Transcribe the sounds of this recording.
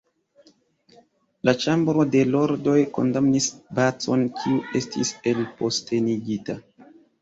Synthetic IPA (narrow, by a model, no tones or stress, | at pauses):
lat͡ʃambɾo̞de̞lo̞ɾdo̞jko̞̰ndamnisbat͡so̞̰nkʰiue̞stʰḭse̞lpo̞stʰe̞niɡita